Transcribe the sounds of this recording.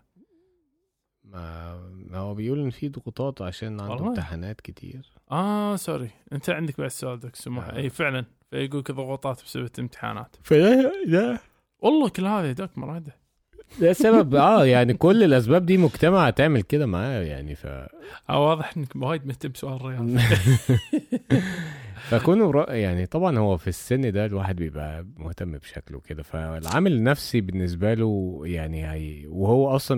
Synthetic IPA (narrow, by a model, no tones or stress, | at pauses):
ma̰ | howːæbejʔuːlʔɪnːfid̪ʊɣut̪ˤɑːt̪ʕaʃæːnʕad̪t̪ɪħanaːt̪kɪt̪ʰḭːɾʔɑːsɑɾˤiʔɪnt̪ʰaʕɪnd̪ɪk̚baʕd̪sʊʔaːld̪aksʊmːaħʔeːfɪʕlan | fajɡuːkðˤʊɣuːt̪ˤɑːt̪bsɪbat̪lɪmt̪ɪ̥ħa̰ːna̰ːt̪fæd̪æd̪æ | wʔɑlˤːɑːkʊlːhaːðid̪aːkmʊɾˤɑːd̪a | d̪æsæbæbʔæːjaʕnikolːelʔæs̬bæːb̚d̪iːmʊɡt̪æmaʕt̪eʕmelked̪æmaʕaːjæja̰ʕnḭfæ̰ʔæ̰wɑːðˤɨħʔenːɪkmwaːjd̪mʊht̪amːsʊʔaːlɾˤɪjɑː | fæʔækuːnɾˤɑʔjaʕnit̪ˤɑbʕɑnhowːæfisːɪnːd̪ælwaːħed̪̚bjebʔæ̰mʊht̪æmːbʃæklwḛked̪æfæɪlʕa̰mælnːæfsibɪnːɪs̬bælujaʕnihæjwehowːæʔɑsˤlɑ